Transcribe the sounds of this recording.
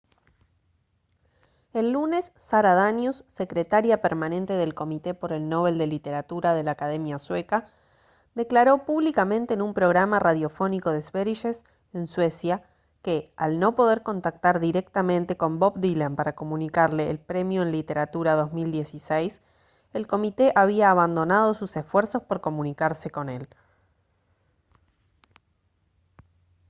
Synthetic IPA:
elːune̞sːaɾaðanjusːe̞kɾet̪aɾjapeɾmanẽ̞nt̪e̞ð̞e̞lko̞mit̪e̞po̞ɾe̞lno̞β̞e̞ld̪elit̪eɾat̪uɾað̞e̞laːkaðemjasweka | ðe̞klaɾo̞puβlikamẽ̞nt̪eːnumpɾo̞ɣ̞ɾamaraðjo̞fo̞niko̞ðezβeɾiʃes | enswe̞sja | kealno̞po̞ðe̞ɾko̞nt̪ak̚t̪aɾðiɾek̚t̪amẽnt̪e̞ko̞mbobd̪ilampaɾako̞mũnikaɾleːlpɾe̞mjoenlit̪e̞ɾat̪uɾaðo̞zmild̪je̞sisejs | elko̞mit̪e̞ʔaβ̞iaːβand̪o̞nað̞o̞susesfweɾso̞spoɾko̞mũnikaɾse̞ko̞ne̞l

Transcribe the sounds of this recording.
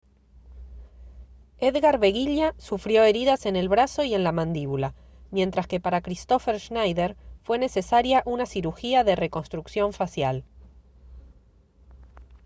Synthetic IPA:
eðɣaɾβe̞ɣiʎasufɾjo̞e̞ɾiðase̞ne̞lβɾaso̞ie̞nlamãnd̪iβula | mje̞nt̪ɾaske̞paɾakɾist̪o̞feɾʃnajðeɾfwe̞ne̞se̞saɾjaʔunasiɾuxiaðe̞re̞ko̞nst̪ɾuksjo̞ɱfasjal

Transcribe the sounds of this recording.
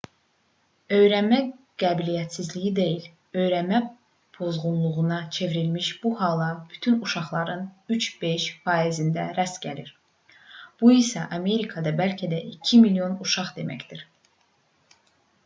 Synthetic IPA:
ø̞jɾænmæ | ɡ̥æbilijæt̪sizlijid̪e̞jil | ø̞jɾænmæ | pʰo̞zʁunlˠuʁunɑt͡ʃʰe̞viɾilmiʃb̥uhɑlˠɑb̥yt̪ʰynuʃɑχlˠɑɾɯnyt͡ʃʰb̥e̞ʃfɑizind̪æɾæst̪ɟæliɾ | b̥uisæʔɑme̞ɾikʰɑd̪ɑbælcʰæd̪æʔicʰimilijo̞nuʃɑχd̪e̞mæ̰cd̪iɾ̥

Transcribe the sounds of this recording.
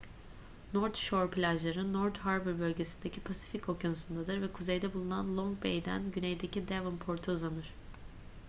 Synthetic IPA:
noɾt̪ʃoɾpʰilʲaʒlˠaɾɯnoɾt̪haɾbɯɾbølʲɟe̞sind̪ecʰipʰasi̥ficʰo̞conusund̪ad̪ɯɾvɛkʰuzejd̪ɛbulˠunanlˠoŋɡbḛjd̪æ̰nɟynejd̪ecid̪ɛvɯmpʰo̞ɾt̪ʰuuzanɯɾ̥

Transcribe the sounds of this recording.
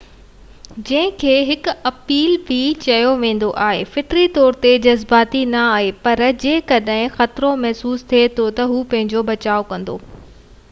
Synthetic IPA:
d͡ʑɐ̃ɦɪ̃kʰeːɦɪkʊ̆ɐpiːlbʱɪt͡ɕɐjoʋẽːn̆d̪oʔaːɦefɪʈɾit̪ɔːɾt̪ed͡ʑɐzbaːt̪inɐaːɦepɐɾd͡ʑẽːkɐɗɦɪ̃xɐt̪ɾõmɛɦsuːst̪ʰiet̪ʰot̪ɐɦuːpɐ̃ɦɪ̃ɲd͡ʑobɐt͡ɕaːokɐ̃nd̪o̰ː

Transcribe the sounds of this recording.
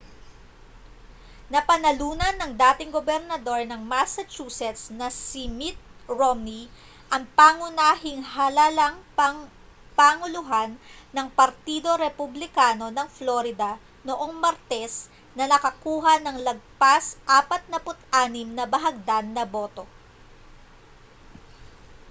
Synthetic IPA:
nɐpɐnɐluːnɐnɐŋd̪aːt̪ɪŋɡobɛɾnɐd̪o̞ɹnɐŋmasɐt͡ʃuːsɛt̪snɐsimit̪̚ɹomni | ʔɐŋpaŋʊnaːhɪŋɦɐlalɐŋpɐ | paːŋʊlʊɦanːɐŋpɐɾt̪iːd̪o̞ɾɛpʊblɪkaːno̞nɐŋfloɾɪd̪ɐ | noʔo̞ŋmɐɾt̪ɛs | nɐnɐkɐkuːɦɐnɐŋlɐɡ̚pasʔaːpɐt̪̚nɐpʊt̪ʔaːnɪmnɐbɐɦɐɡ̚d̪anːɐbo̞ːt̪o̞

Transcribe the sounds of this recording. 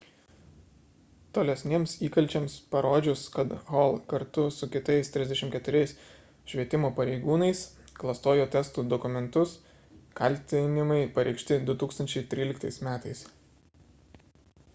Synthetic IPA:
t̪oːlʲɛsʲnʲeːmsiːkɐlʲt͡ʃʲɛmspɐɾoːd͡ʒʲʊskɐt̪ɣoːlˠkɐɾt̪ʊsʊkʲɪt̪ɐɪst̪ʲɾʲɪzd̪ʲɛʃʲɪmkʲɛt̪ʊɾʲɛɪs | ʃʲʋʲiɛt̪ʲɪmoːpɐɾʲɛɪɡuːnɐɪs | klˠɐst̪oːjoːt̪ʲɛst̪uːd̪ɔkʊmʲɛnt̪ʊs | kɐˑlʲˑt̪ʲɪnʲɪmɐɪpɐɾʲɛɪkʃʲt̪ʲɪd̪ʊt̪uːkst̪ɐnʲt͡ʃʲɛɪt̪ʲɾʲiːlʲɪkt̪ɐɪsmʲæːt̪ɐɪs

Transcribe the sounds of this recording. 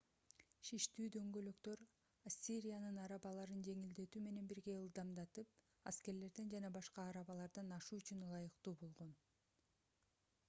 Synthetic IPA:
ʃiʃt̪yːd̪ø̞ŋɡø̞lø̞kt̪ø̞ɾ | asʲːiɾʲijanɯnɑɾɑβɑlˠɑɾɯnd͡ʒe̞ŋild̪e̞t̪yːme̞ne̞nbiɾɡe̞ɯlˠd̪ɑmd̪ɑt̪ɯp̚ | a̰ske̞ɾle̞ɾd̪end͡ʒɑnɑbɑʃqɑːɾɑβɑlˠɑɾd̪ɑnɑʃuːyt͡ʃynlˠɑjɯqt̪uːbo̞lˠʁo̞n

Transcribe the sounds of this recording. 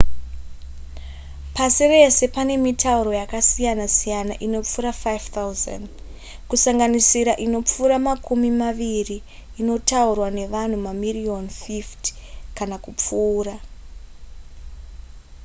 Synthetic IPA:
pasire̞se̞pane̞mitauɾo̞jakasijanasijanaʔino̞p͡fuɾafajvt̪auza̰nd | kusaŋɡanisiɾaʔino̞p͡fuːɾamakumimaʋiriː | no̞taurwane̞ʋan̤umamirionfiftkanakup͡fuːɾa

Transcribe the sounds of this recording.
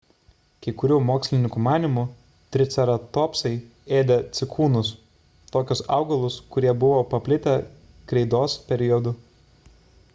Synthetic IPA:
kɐɪkʊɾʲuːmoːksʲlʲɪnʲɪŋkumɑːnʲɪmu | t̪ʲɾʲɪt̪sʲɛɾɐt̪oːpsɐɪ | eːd̪ʲɛt̪sʲɪkʰuːnʊs | t̪oːkʲʊsɑ̰ˑʊɡɐlˠʊskʊɾʲiɛbʊʋoːpɐpʲlʲɪt̪ʲɛ | kɾʲɛɪd̪oːspʲɛɾʲɪjɔd̪ʊ

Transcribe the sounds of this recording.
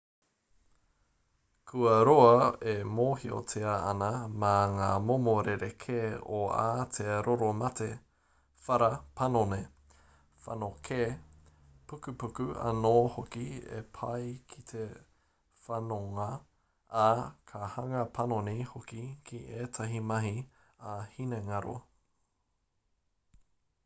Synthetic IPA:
kʰʉɐɾoɐemoːhio̰tʰeɐɐnɐmaŋaːmomoɾeɾekʰeːoa̰ːt̪ʰeɾʔoɾomɐte | fɐɾɐpʰɐnone | fɐ̰nokʰeː | pukʉpukʉɐ̰noːhokiḛpʰɐjkʰi̥t̪ʰe | fɐnoŋɐ | akʰɐhɐŋɐpʰɐnonihokikʰiʔeːtʰɐɦimɐɦi | ahineŋaɾo̰

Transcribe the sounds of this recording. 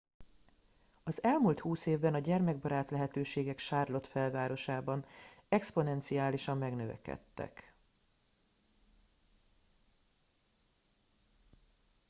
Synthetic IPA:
ɒzɛlmuːlt̪huːseːvbɛnɒɟɛrmɛɡ̚bɒɾaːt̪lɛɦɛt̪øːʃeːɡɛkʃaːrlo̞t̪fɛlvaːɾo̞ʃaːbɒnɛkspo̞nɛnt̪sijaːliʃɒmːɛɡnøvɛ̰kɛ̰t̪ːɛ̰k

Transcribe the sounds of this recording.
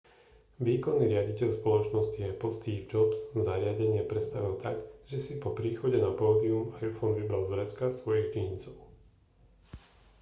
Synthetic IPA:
ʋiːkɔnːiːɾɪaɟicɛʎspɔlɔt͡ʃnɔsciɛpɔst̪iːvd͡ʒɔbz̥zaɾɪaɟɛɲɪɛpɾɛt̪st̪aʋilt̪aɡʒɛsipɔpɾiːxɔɟɛnapɔːd̪iumajfɔnʋibɾalzɾɛt͡skasʋɔjiɣt͡ʃiɲit͡sɔʊ

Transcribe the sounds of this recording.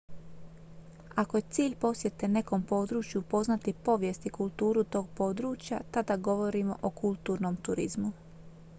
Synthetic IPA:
ako̞je̞t̪siːʎpo̞sje̞t̪e̞ne̞ko̞mpo̞ːd̪ɾuːt͡ʃjupo̞znat̪ipo̞ʋjest̪ikulˠt̪uːɾut̪o̞ːɡ̚po̞ːd̪ɾuːt͡ʃja̰t̪ad̪aɡo̞ʋo̞ɾimo̞̰ʔokʰulˠt̪uːɾnomt̪uɾizmu

